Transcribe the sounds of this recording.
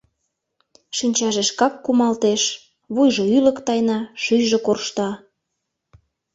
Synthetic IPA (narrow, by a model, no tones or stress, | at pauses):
ʃinʲt͡ɕɑʒeʃkɑkːumɑlt̪eʃ | βujʒoylə̆kt̪ɑjnɑʃyjʒekorʃt̪ɑ